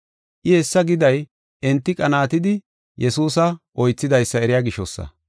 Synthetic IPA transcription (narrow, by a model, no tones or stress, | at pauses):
ʔɪhɛsːɐɡɪd̪ɐj | ʔɛnt̪ːɪkʼɐnaːt̪ɪd̪ɪ | jɛsuːs̬ɐʔɔjt͡sːɪd̪ɐjsːɐɛɾɪjaːɡɪʃɔsːɐ̰